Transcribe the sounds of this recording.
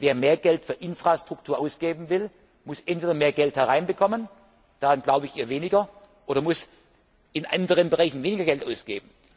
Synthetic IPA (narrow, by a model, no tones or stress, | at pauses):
veːɐmeːɐɡɛltfyːɐʔɪnfʁ̥astʁ̥ʊktʰuːɐʔaʊsɡ̥eːbm̩vɪl | mʊsʔɛntv̥eːdɐmeːɐɡɛlthɛʁaɪnbəkʰɔmən | d̥aʁanɡlaʊbəɪçiːɐveːnɪɡɐ | ʔoːɾɐmʊs | ɪnʔa̰ndəʁənbəʁaɪçn̩veːnɪɡɐɡɛltʔaʊsɡ̥eːbm̩